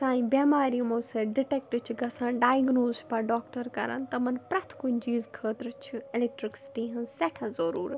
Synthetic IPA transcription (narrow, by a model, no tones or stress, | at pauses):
sãːĩbjaːmaːɾimõːseɖɪʈeːk̚ʈt͡ʃʰiɡɐsãːɖaːjɡnoːzpɐɾɖaːkʈɐɾkɐɾa̰nt̪ɐmɐnpɾɐt̪ʰkund͡ʒiːzkʰəːt̪ɾt͡ʃʰuɪleːk̚ʈɾiksʈiɦɐ̃nsɛʈʰazɐɾuːɾ